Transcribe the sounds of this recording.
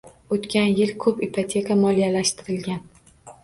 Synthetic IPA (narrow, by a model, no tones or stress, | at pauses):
ot̪kʲʰanjɪlkʰɵpipʰot̪ʲʰe̞kʰamɒlijalaʃt̪ɪɾɪlɡʲan